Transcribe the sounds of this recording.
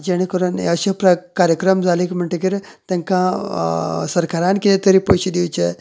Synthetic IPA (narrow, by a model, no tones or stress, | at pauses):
d͡ʑeɽ̃ikəɾuːn̰əɕepɾakaɾjəkɾəmd͡zʱalikm̤əɳʈekiɾ | t̪ẽŋkã | səɾkaɾãnkit̪et̪əɾipoɕid̪iwt͡ɕe